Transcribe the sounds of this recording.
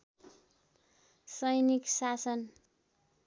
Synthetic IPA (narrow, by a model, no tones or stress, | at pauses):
sʌjniksasʌn